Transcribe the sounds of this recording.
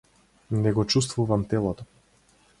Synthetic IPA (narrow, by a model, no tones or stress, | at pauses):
nɛɡɔt͡ʃust̪vuvamt̪ɛlˠɔt̪ɔ̥